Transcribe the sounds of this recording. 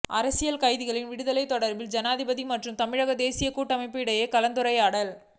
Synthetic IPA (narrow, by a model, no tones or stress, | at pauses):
ʔɐɾɐsɪjɐlkɐɪðɪɣɐɭɪnʋɪɽɯðɐlɐɪt̪ːɔɽɐɾbɪld͡ʒɐnaːðɪbɐðimɐʈrɯmt̪ɐmɪɻɐɣɐd̪eːsɪjɐkuːʈːɐmɐɪpːɯɪɽɐjɐkɐlɐnd̪ɯɾɐɪaːɽɐl